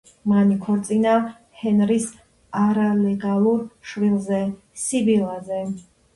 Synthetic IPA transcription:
manikʰɔɾt̪sʼina | hɛnɾis | aɾalɛɡalˠuɾʃvilˠzɛ | sibilˠazɛ

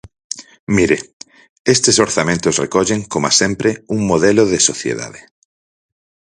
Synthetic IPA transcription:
miɾe | est̪esoɾθamẽnt̪ʊsrekɔʎeŋkomasempɾeuŋmoðeloðesoθjḛða̰ðe

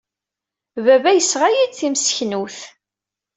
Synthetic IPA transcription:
vævæjəsʁajid̪θimsə̥çnuθ

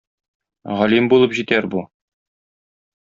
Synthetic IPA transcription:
ʁɒlimbulˠɤpʑit̪æɾbu

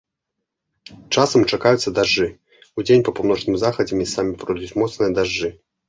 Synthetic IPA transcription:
t͡ʂasɐmt͡ʂakajut̪sːɐd̪aʐːɨ | ud͡zʲenʲpɐpawn̪ɔt͡ʂnɨmʲzaxɐd͡zʲɐmʲisamʲipɾɔjʲut͡sʲmɔt̪snɨjɐd̪aʐːɨ

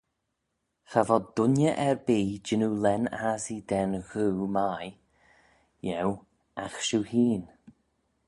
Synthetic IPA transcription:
xavɔd̪ʊnjəʔɛɹbiːd͡ʒɪnulɛnazid̪ɛnɣuːmaj | jɛw | axʃuhiːn

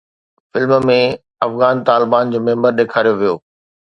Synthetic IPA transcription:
fɪlmmẽ | ɐfɣaːnt̪aːlɪbaːnd͡ʑoːmẽːmbəɾɗeːkʰaːɾijoʋijoː

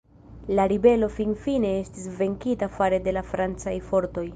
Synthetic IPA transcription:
laɾibe̞lo̞finfine̞e̞stisve̞ŋkitafaɾe̞de̞lafɾant͡sajfo̞ɾto̞j

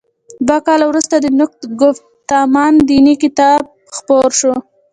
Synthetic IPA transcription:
d̪wakɑlawɾust̪ad̪ənʊk̚t̪ɡʊf | t̪ɑmɑnd̪inikɪt̪ɑb̚ | xpoɾʃo

